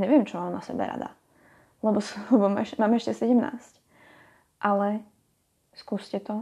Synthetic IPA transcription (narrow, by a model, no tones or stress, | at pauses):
ɲɛʋɪɛmt͡ʃɔmaːmnasɛ̰bɛ̰ɾa̰d̪a̰ | lɛbɔslɛbɔmɛʃmaːmɛʃcɛsɛɟɛmna̰ːsc | ʔalɛ | skuːscɛt̪ɔ